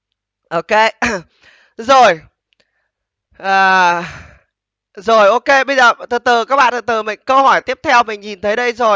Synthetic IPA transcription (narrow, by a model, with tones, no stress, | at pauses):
ʔo˧ke˧ | zo˨˩j | ʔəː˨˩ | zo˨˩jʔo˧ke˧ɓə˧jzəː˨˩t̪ʰɨ˨˩t̪ɨ˨˩kaː˦˥k̚ɓa̰ː˧˨t̪ɨ˨˩t̪ɨ˨˩mï˧˨ŋ̟kə˧whɔ˧˩jt̪i˦˥əp̚t̪ʰɛ˧wmï˨˩ŋ̟ɲi˨˩nt̪ʰə˨˦jɗə˧jzo˨˩j